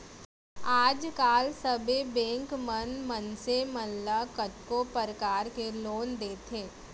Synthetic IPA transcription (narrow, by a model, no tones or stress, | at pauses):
aːd͡ʒkaːlsɐbebɛ̃ːŋkmənmənsemənlakət̪kopəɾkaːɾkeloːnd̪eːt̪ʰeː